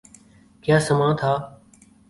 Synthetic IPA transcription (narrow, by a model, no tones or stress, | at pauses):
kjaːsəmãːt̪ʰaː